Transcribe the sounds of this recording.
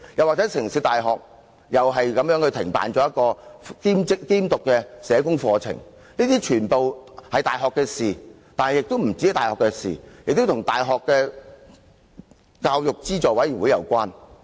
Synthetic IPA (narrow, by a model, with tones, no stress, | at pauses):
jɐ˨˩waː˨k̚t͡sɛ˨˥sɪ˨˩ŋsi˨˧˥t̪aː˨jɦɔː˨k̚ | jɐ˨wɦɐ˨jkɐ˨˧mjœː˨˥ŋhɵ˧ɥt̪ʰɪ˨˩ŋpa̰ː˨nt͡ʃɔː˨˥jɐ˥t̚kːɔː˧kiː˥mt͡sɪ˥kkiː˥mt̪ʊ˨kːɛ˧sɛː˨˧kʊ˥ŋfɔː˧t͡sʰɪ̰˨˩ŋ | niː˥t̪iː˥t͡ʃʰyː˨˩npo˨whɐ˨jt̪aː˨jɦɔː˨kːɛː˧siː˨˩ | t̪aː˨nhɐ˨jɪ˨k̚t̪o˥wm̩˨˩t͡si˨˥ht̪aː˨jhɔː˨kːɛ˧sḭː˨jɪ˨k̚t̪o˥t̪ʰʊ˨˩ŋt̪aː˨jɦɔː˨kːɛː˧ | kaː˧wjʊ˨k̚t͡siː˥t͡sɔː˨˩wɐ˨˥jy˨˩nwu˨˧jɐ̰˨˩wkʷaː˥n